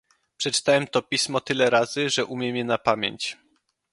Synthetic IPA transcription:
pʂɛt͡ʂɘ̥t̪awɛmt̪ɔpʲismɔt̪ɘlɛɾaz̥ɘʐɛʔumʲjɛmʲjɛnapamʲjḛɲt͡ɕ

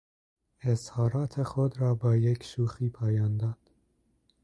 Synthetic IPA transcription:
eshɒːɾɒːt̪ʰexod̪ɾɒːbɒːjekʰʃuːxiːpʰɒːjɒːnd̪ɒːd̪̥

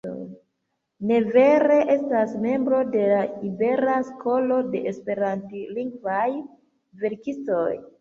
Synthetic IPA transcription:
o̰j | ne̞ve̞ɾe̞ʔe̞stasme̞mbɾo̞de̞laibe̞ɾasko̞lo̞de̞ʔespe̞ɾantiliŋɡvaj | ve̞ɾkisto̞j

